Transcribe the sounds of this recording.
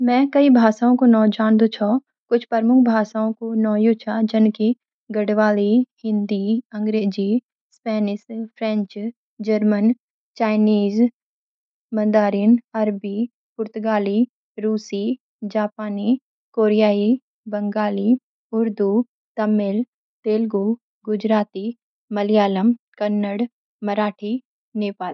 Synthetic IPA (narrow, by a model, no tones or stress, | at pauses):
mɛ̃ːkɐibʱaːsaːõkonɔːd͡ʒaːnd̪ot͡ʃʰɔ | kʊt͡ʃʰpəɾmʊkʰbʱaːsaːõkonɔːjot͡ʃʰad͡ʒɐnki | ɡəɽʋaːlihɪ̃nd̪iɐ̃ŋɡɾeːd͡ʒi | spɛːnɪspʰɾɛ̃ɲt͡ʃ | d͡ʒəɾmən | t͡ʃaːɪniːz | mə̃nd̪aːɾɪnɐɾbiː | pʊɾt̪ʊɡaːliː | ɾuːsiː | d͡ʒaːpaːni | koːɾijaːi | bɐŋɡaːliː | ʊɾd̪u | t̪ɐmɪl | t̪eːlɡu | ɡʊd͡ʒɾaːt̪i | mɐlijaːləm | kɐnːəɽ | məɾaːʈʰiː | neːpaːl